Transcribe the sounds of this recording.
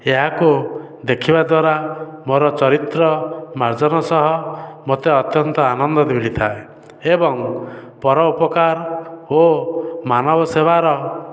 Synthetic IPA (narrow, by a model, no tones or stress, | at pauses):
eɦaku | d̪ekʰibad̪waɾamoɾɔt͡ʃɔɾit̪ɾɔmaɾd͡ʒɔnɔsɔɦɔmot̪eɔt̪jɔnt̪ɔanɔnd̪ɔd̪ibiɭit̪ʰae | ebɔŋpɔɾɔupɔkaɾomanɔbɔsebaɾɔ